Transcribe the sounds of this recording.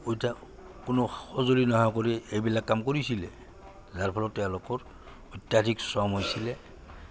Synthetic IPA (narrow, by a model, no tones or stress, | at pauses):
uta | kʊnoxɔzolinɔɦɔjkoɹiejbilakːamkoɹisilɛ | zaɹpʰɔlɔtːɛʊ̃lʊkɔɹ | ujtjadʱiksɔmojsilɛ